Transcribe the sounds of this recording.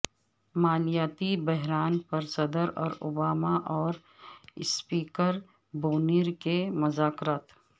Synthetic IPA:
maːlɪjaːt̪ibɛɦɾaːnpɐɾsɐd̪əɾɔːɾʊ̰baːmaʔɔːɾ | ɪspiːkəɾ | boːniːɾkemʊzaːkɾaːt̪

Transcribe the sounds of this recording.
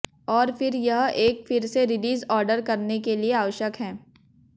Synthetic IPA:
ɔːɾfɪɾjɐɦʔeːkfɪɾseɾɪliːzɔːɾɖəɾkɐɾnekelieaːʋəʃjəkɦɛ̃ː

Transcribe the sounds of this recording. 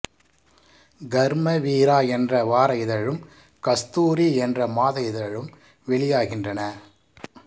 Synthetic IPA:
ɡɐɾmɐʋiːɾaːɛndrɐʋaːɾɐɪðɐɻɯm | kɐst̪uːɾiɛndrɐmaːðɐɪðɐɻɯm | ʋɛɭɪjaːɣɪndrɐnɐ

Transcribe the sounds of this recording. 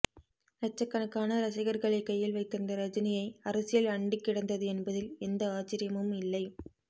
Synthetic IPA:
ɾɐt͡ʃːɐkːɐnɐkːaːnɐɾɐsɐɪɣɐɾɣɐɭɐɪkːɐjːɪlʋɐɪt̪ːɯnd̪ɐɾɐd͡ʒɐnɪjɐɪɐɾɐsɪjɐlɐɳɖɪkːɪɽɐnd̪ɐðɯɛnbɐðɪlɛnd̪ɐaːt͡ʃːɪɾɪjɐmɯmɪlːɐɪ

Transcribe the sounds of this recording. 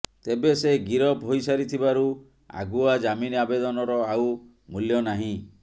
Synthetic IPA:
t̪ebeseɡiɾɔbʱɦojsaɾit̪ʰibaɾu | a̰ɡuad͡ʒaminiabed̪ɔnɔɾɔaw | muljɔnaɦĩ

